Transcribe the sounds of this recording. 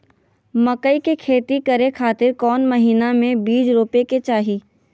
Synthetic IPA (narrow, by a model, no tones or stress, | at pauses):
mɐkəikekʰeːt̪ikɐɾekʰaːt̪ɪɾkɔːnmɐɦiːnamẽbiːd͡ʒɾoːpeket͡ʃaːɦiː